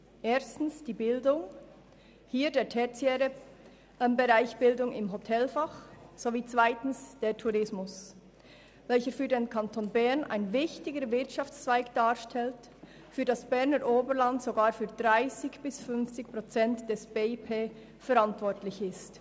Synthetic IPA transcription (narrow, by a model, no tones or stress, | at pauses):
ʔeːstn̩sd̥iːbɪldʊŋ | hiːdeːtʰɛt͡sjɛːɾə | mbɛʁaɪçb̥ɪldʊŋɪmɦotʰɛlfaχz̥oviːt͡svaɪtn̩sd̥eːtʰuɾɪsmʊs | vɛlçəfyːɾdeːnkʰantʰoːnbɛʁna̰ɪnvɪçtɪɡəɾvɪɐtʃɑft͡st͡sv̥aɪkd̥aːɾʃtʰɛlt | fyːɐdasb̥ɛʁnəɾʔoːbəlantsoɡaːɾfyːɐd̥ʁaɪsɪçb̥ɪsfʏnft͡sɪçpʁ̥ot͡sɛntd̥ɛsb̥eːipʰeː | fɛɾantv̥ɔɾtlɪçɪst